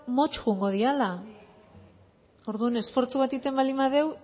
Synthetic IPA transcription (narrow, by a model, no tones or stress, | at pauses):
mo̞t͡ʃɣuŋɡo̞ðiala | o̞ɾðuane̞sfo̞ɾt͡suβ̞at̪it̪e̞mbalimaðe̞w